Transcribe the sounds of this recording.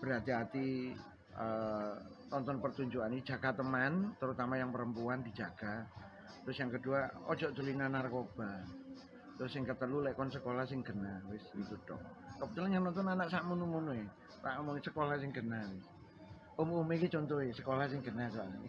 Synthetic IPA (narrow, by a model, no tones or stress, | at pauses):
b̥əɾat̪iat̪i | ʔə | nɔnt̪ɔnpərt̪uɲd͡ʒuani̥d͡ʒaɡ̥a̤t̪əmant̪əɾut̪amajaŋpəɾəmpuandi̤d͡ʒaɡ̥a | t̪ɾʊsjaŋkəduaɔ̰̥d͡ʒ̥ɔʔd͡ʒ̪ulinanarkob̥a | t̪ɾʊsːɪŋkət̪əlulɛkɔnsəkolahsɪŋɡ̥ənawɪsḭt̪ud̥ɔ̰ʔ̚ | kəpət̪ulanjaŋnɔnt̪ɔnanaʔsaʔmunumunue | saʔomɔŋsəkolahsɪŋɡ̥ənawɪs | ʊmumekit͡ʃɔnt̪ɔesəkolahsɪŋɡənasoa̰l